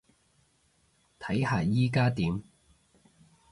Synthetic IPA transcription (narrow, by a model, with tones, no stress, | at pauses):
t̪ʰɐ˨˥jhaː˨jiː˥kaː˥t̪iː˨˦m